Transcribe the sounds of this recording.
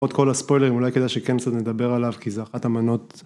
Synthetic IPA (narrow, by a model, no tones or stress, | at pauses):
ot̪ko̞laspo̞jle̞ʁimulajkedajʃekenkt͡sat̪ned̪abe̞ʁalavkizeaχatamano̞t